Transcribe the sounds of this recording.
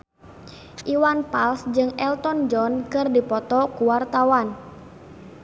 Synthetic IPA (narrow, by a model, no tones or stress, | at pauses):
ʔiwanpalsd͡ʒɨŋɛlt̪ɔnd͡ʒɔnkɨrdipɔt̪ɔkuwart̪awan